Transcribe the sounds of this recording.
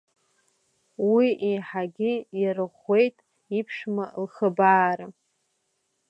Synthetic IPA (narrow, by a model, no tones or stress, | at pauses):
wiʔiħaɡʲɪjɾɨχʷe̞jtʼ | ipʰʂmalχəbaːɾa